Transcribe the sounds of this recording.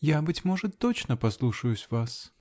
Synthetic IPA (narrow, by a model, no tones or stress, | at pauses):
jabɨtʲmo̞ʐɨt̪ːot͡ɕnəpɐslˠuʂəjʊsʲvas